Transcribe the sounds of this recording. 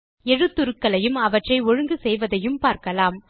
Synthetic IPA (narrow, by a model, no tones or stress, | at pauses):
ɛɻɯt̪ːʊɾɯkːɐlɐjɯmɐʋɐʈrɐɪɔɻɯŋɡɯsɛjʋɐðɐjɯmpaːɾkɐlaːm